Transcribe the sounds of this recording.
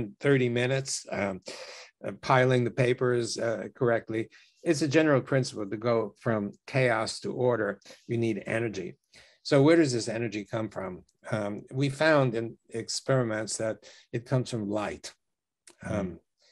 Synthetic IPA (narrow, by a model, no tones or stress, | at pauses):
nθɜ˞ɾimɪnɨts | pʰaɪlˠɪ̃ŋðɨpeɪpə˞z̥kʰə˞ɛk̚tˡli | ɨtsɨd͡ʒɛnə˞l̩ˠpʰɹ̥ɪ̃nsə̥pl̩ˠtɨɡoʊfɹʌ̃mkʰeɪɑstʰə̰ʔɔɹɾə˞jɨniɾɛ̰nə˞d͡ʒḭ | soʊwə˞ɾʌzðɪsɛnə˞d͡ʒikʰʌ̃ɱfɹʌ̃m | wifãʊ̃ndɨ̃n | ɨkspɛɹɨmɨ̃ntsðɨɾ | ɨt̚kʰʌ̃mz̥fɹʌ̃mlaɪt